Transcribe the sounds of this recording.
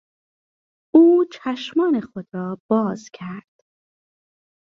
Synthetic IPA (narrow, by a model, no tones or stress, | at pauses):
uːt͡ʃʰæʃmɒːnexod̪ɾɒːb̥ɒːz̥cʰæɾd̪̥